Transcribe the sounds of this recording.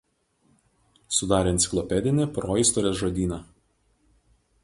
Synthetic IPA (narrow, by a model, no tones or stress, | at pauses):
sʊd̪ɑːɾʲeɛnʲt̪ʲɪ̥klˠɔpʲɛd̪ʲɪnʲepɾoːɪˑst̪ɔɾʲeːsʒod̪ʲiːnɑː